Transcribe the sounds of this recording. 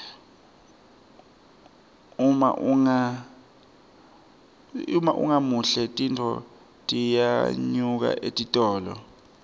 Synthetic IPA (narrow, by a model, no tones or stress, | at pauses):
uma̰ʔuŋa | umaʔṵŋamuɬɛtʼintʰɔ̰ | tʼijaɲuk̬a̰ʔetʼitʼɔːlɔ̰